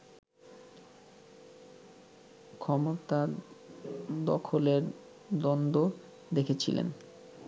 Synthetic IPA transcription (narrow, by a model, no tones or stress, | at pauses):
kʰɔmot̪a | d̪ɔ̰kʰoleɾ | d̪ɔnd̪o | d̪ekʰet͡ɕʰḭlḛn